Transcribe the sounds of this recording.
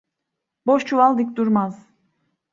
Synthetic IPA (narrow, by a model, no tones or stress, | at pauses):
boʃt͡ʃʰuvalˠd̪ɯk̚ʲd̪uɾmaz̥